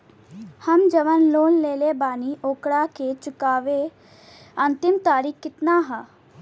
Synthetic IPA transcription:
hɐmd͡ʒɐʋənloːnleːlebaːniʔoːkɽaket͡ʃʊkaːʋe | ɐ̃nt̪ɪmt̪aːɾiːkkːɪt̪naɦɛ

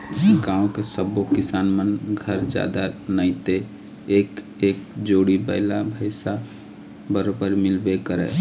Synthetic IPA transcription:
ɡãːõkesəbokɪsaːnmənɡʱəɾd͡ʒja̰ːd̪anəɪ̃t̪e | eːk | eːk̚d͡ʒoːɽibə̰ɪlabʱəɪsa | bəɾobəɾmɪlbekəɾɛ̰

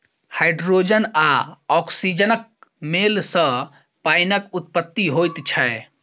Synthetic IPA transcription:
hajɖɾod͡ʒənaɔksid͡ʒənək̚melsə̃ | pajnəkut̪pət̪ːiɦojt̪t͡ʃʰɛe

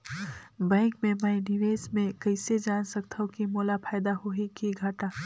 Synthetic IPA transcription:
bɛ̃ːŋkmẽməinɪʋeːsmẽkɐɪsed͡ʒaːnsək̚t̪ʰaɦõkimoːlapʰaːjd̪aɦoɦikiɡʱaʈaː

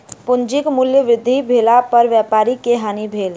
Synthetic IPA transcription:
pʊnd͡ʒikmuljəʋɾɪd̪ʱːibʱelapəɾʋjapaːɾikeɦaːnibʱeːl

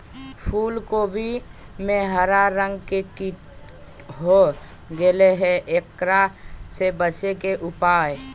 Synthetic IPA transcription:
pʰuːlkobʱimẽɦəɾaɾə̃ŋɡkeki | ɦo | ɡeleɦɛʔekɾasebət͡ʃekeʔʊpaːe

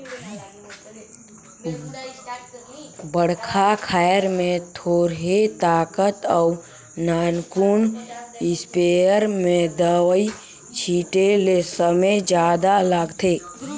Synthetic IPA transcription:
bəɽkʰakʰaːjəɾmẽt̪ʰoːɾɦet̪aːkət̪əʊ | naːnkuːnɪspeəɾmẽd̪əwi | t͡ʃʰiːʈelesəməjd͡ʒaːd̪alaːɡt̪ʰeː

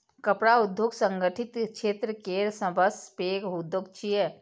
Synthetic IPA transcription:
kəpɽaʊd̪ʱjoːɡsə̃ŋɡəʈʰɪt̪kʃeːt̪ɾəkeːɾsə̃bəspeːɡɦud̪ʱjoːɡt͡ʃʰijɛ

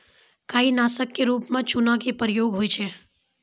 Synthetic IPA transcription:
kʰainasəkːeɾupmãt͡ʃunãkepəɾjoɡɦojt͡ʃʰe

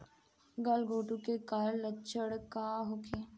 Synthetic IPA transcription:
ɡəlɡoːʈũkekaɾlət͡ʃʰəɽkaːɦokʰeː

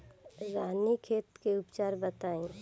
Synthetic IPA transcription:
ɾaːnikʰeːt̪keʊpt͡ʃaːɾbət̪aːẽː

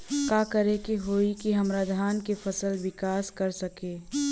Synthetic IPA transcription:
kaːkɐɾekiɦoːikiɦɐ̃mɾaːd̪ʱaːnkefʰɐsəlwɪkaːskɐɾsɐkeː

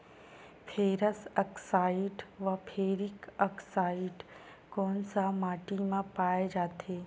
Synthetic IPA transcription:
pʰeːɾəsəksaːɪɖʋɐpʰeːɾɪkəksaːɪɖ | koːnsamaːʈimãpaːed͡ʒaːt̪ʰeː

